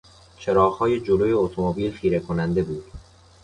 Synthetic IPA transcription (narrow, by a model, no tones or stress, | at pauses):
t͡ʃʰe̞ɾɒːɣhɒːje̞d͡ʒoloːje̞ot̪ʰomobiːlxiːɾekʰonænd̪e̞buːd̪̥